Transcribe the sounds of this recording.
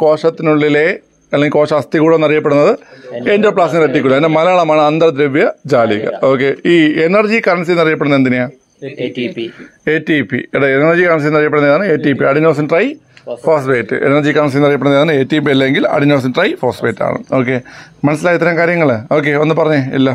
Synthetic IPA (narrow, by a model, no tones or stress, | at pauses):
ko̞ːʂɐt̪ːinuɭːile | ɐleŋɡilko̞ːʂɐɐst̪iɣuːɽonɐrijɐpːeɽunːɐðɨendo̞ːpɭaːsinɾeʈːikʲːuɭːɐpindemɐlɐːɭɐmaːɳɨɐnd̪rɐd̪ɾeʋjɐd͡ʑaːliɣɐ̰o̞ːkːe̞iːenɐrd͡ʑikɐɾɐns̬ijnɐrijɐp̬ːeɽunːðend̪inijaː | etipːḭɐɽeenɐrd͡ʑikɐɾɐnsijnɐrijɐpeɽuneːðaːɳɨeːtːipːiɐɽiɲːuʋɐsɐmʈrɐj | foːsʋeːtːɨ̰ʔḛnɐrd͡ʑikɐɾɐns̬ijnɐrijɐpeɽueːðaːɳɨeːtːip̬ːiɐlːɐeŋɡilɐ̰ɽiɲːɐʋɐs̬ɐmʈrɐjfoːsʋeːtːa̰ːɳɨ̰moːk̬ːe̞mɐnɐs̬ːilaːjit̪ːɐɾɐmŋkaːɾjɐŋːɐɭɨo̞ːk̬ːe̞o̞nːɨpɐrɐɲːeḭlːɐ